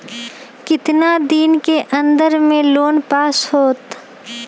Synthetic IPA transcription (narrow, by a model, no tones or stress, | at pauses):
kɪt̪nad̪iːnkeʔɐ̃nd̪əɾmẽloːnpaːshoːt̪